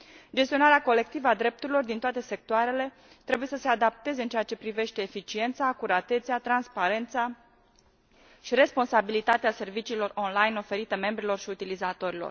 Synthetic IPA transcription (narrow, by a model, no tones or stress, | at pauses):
d͡ʒest̪io̞naɾeako̞le̞k̚t̪ivəad̪ɾe̞p̚t̪uɾilo̞rd̪int̪oat̪e̞se̞k̚t̪oaɾe̞le̞ | t̪ɾe̞buje̞səse̞ad̪ap̚t̪e̞ze̞ɨnt͡ʃejat͡ʃe̞pɾive̞ʃt̪e̞ːfit͡ʃie̞nt̪sakuɾat̪e̞t̪seat̪ɾanspaɾe̞nt̪sa | ʃiɾe̞spo̞nsabilit̪at̪ease̞rvit͡ʃiːlo̞ro̞nlajno̞fe̞ɾit̪əme̞mbɾilo̞rʃiut̪ilizat̪o̞ɾilo̰r